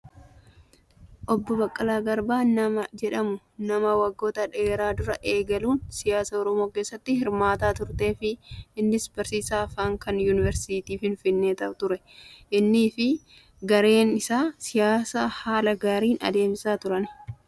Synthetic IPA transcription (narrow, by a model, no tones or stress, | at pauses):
ʔɔbːɔbɐkʼːɐlaːɡɐɾbaːnɐmɐd͡ʒɛᶑɐmʊ | nɐmɐwɐɡːo̞ːt̪ɐᶑe̞ːɾaːd̪ʊɾɐʔe̞ːɡɐluːnsɪjaːsɐːɔɾɔmo̞ːke̞ːsːɐt̪ːɪhɪɾmaːt̪aːt̪ʊɾt̪e̞ːfɪɪnːɪsbɐɾsiːsaːfaːŋkɐnjuːnɪvɛɾsiːt̪iːfɪnfɪnːe̞ːt̪ɐʔʊt̪ʊɾɛ | ʔɪnːɪːfɪ | ɡɐɾe̞ːnɪsaːsɪjaːsaːhaːlɐɡaːɾiːnɐ̰d̪e̞ːmɪsaːt̪ʊɾɐn